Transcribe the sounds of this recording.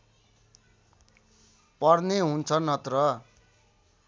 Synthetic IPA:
pʌrneɦunt͡sʰʌnʌt̪rʌ

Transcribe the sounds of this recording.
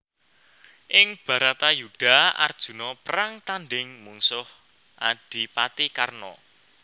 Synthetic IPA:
ʔɪŋb̥ä̤ɾat̪ajuɖ̥a̤a̰rd̥ʒ̥ṳnɔpəɾaŋt̪anɖɪŋmuŋsʊh | ʔaɖ̥i̤pat̪ikarnɔ̰

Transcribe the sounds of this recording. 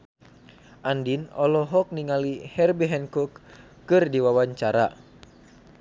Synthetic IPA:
ʔandinɔlɔɦɔk̚niŋalihɛrbiɦɛnkɔkː | ɨrdiwawaɲt͡ʃaɾa̰

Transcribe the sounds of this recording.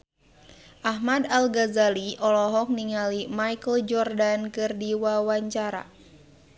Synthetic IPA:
ʔaɦmadalɡazaliʔɔlɔɦɔk̚niŋalimajkəld͡ʒɔrdankɨrdiwawaɲt͡ʃaɾa̰

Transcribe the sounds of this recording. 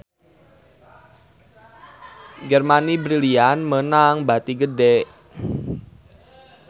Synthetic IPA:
d͡ʒɛrmanibɾilianmənaŋbat̪iɡədɛʔ

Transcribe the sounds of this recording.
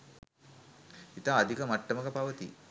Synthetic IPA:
it̪aːɐd̪ʱikəmaʈːəməkəpaʋət̪i

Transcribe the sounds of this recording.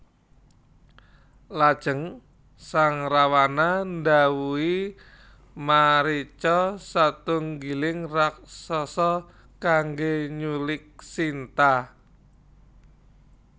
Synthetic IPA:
lad̥ʒ̥əŋ | saŋrawanandawui | maɾit͡ʃɔsat̪ʊŋɡilɪŋrak̚sɔsɔ | kaŋɡeɲulɪk̚sint̪a

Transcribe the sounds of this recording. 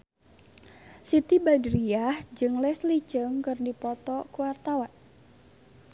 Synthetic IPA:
sit̪ibadɾiahd͡ʒɨŋlɛslit͡ʃəŋkɨrdipɔt̪ɔkuwart̪awan

